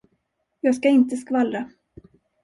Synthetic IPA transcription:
jɑːɡskaɪnt̪əskvalɾa

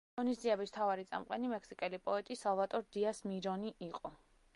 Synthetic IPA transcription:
ʁɔnisd̪ziɛbist̪ʰavaɾit̪sʼa̰mqʼɛnimɛkʰsikʼɛlipʼɔɛt̪ʼisalˠvat̪ʼɔɾd̪iasmiɾɔniʔiqʼɔ

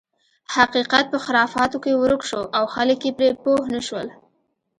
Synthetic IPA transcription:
haqiqat̪̚pəxɪlɑfɑt̪okewɾʊkʃoʔawxaləkjepɾepohnəʃwəl

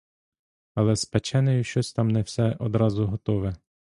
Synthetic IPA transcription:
ɐlˠɛspɛt͡ʃɛnɛjʊʃt͡ʃɔsʲt̪ɑmnɛwsɛʔɔd̪ɾɑzʊɦɔt̪ɔʋɛ

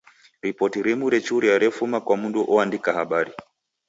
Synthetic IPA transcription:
ɾipɔtiɾimuɾɛt͡ʃuɾiaɾɛfumakwamunduʔɔandikahaɓaɾi

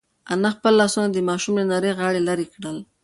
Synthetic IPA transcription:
anaxpəlːɑsunad̪əmɑʃumlanaɾəjɣɑɽelaɾikɽəl

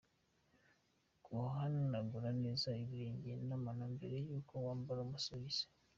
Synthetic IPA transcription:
koɦanonaɡuɾaneːzaiβiɾeːɲɟenamanambeɾe̞juːkʰowaːmbaɾomusoβize̥

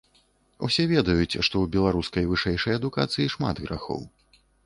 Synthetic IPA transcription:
ṵsʲɛvʲɛd̪ɐjut͡sʲʂt̪ɔwbʲɛlˠaɾuskɐjvɨʂɛjʂɛjɐd̪uka̰t̪sɨjiʂma̰d̪ɣɾaxɔ̰w

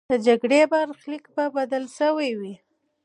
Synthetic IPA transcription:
d̪əd͡ʒaɡɽebaɾxlikbabad̪əlʃəwajwi

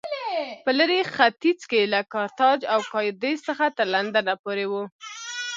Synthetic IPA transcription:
pələɾexat̪it͡skelakɑɾt̪ɑd͡ʒawkɑjd̪ezsəxat̪əɾland̪anapoɾewu

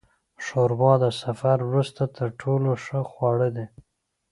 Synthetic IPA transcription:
ʃoɾbɑd̪əsafaɾwɾust̪at̪ʰəɾʈʰoloʂəxwɑɽəd̪e

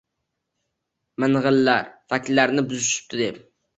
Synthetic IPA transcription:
mɪnʁəlːæɾfækʲlːæɾnɪbuzyʃi̥p̚t̪ʰɪd̪ɪp

